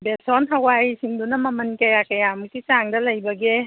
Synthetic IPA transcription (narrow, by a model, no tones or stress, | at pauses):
besɔnɦɐwajsiŋdunɐmɐmɐnkɐjakɐjamuk̚tit͡ʃaŋdɐlɐjbɐɡe